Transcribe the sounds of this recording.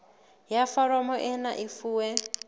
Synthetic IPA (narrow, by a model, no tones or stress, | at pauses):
jafaɾɔmɔʔɛnaʔifuːwɛ